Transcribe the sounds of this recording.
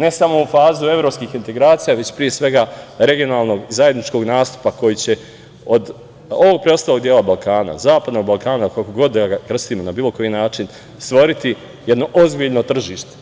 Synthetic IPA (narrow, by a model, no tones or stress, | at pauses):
ne̞samo̞ufaːzue̞vɾo̞ːpskiːxint̪e̞ɡɾaːt̪sijaʋe̞t͡ɕpɾijesʋe̞ɡaɾe̞ɡio̞naːlˠno̞ɡizaje̞d̪nit͡ʃko̞ɡnaːst̪u̥pako̞jit͡ɕe̞ | od̪ | o̞ʋo̞ɡ̚pɾeo̞st̪aːlo̞ɡ̚d̪jeːlabalˠkʰaːna̰zaːpad̪no̞ɡ̚balˠkaːnakakoɡo̞d̪ːaakr̩st̪iːmo̞nabiːlˠo̞ko̞jinaːt͡ʃin | st̪ʋo̞ɾit̪i | je̞d̪no̞ʔo̞zbiʎno̞t̪r̩ʒiːʃt̪e̥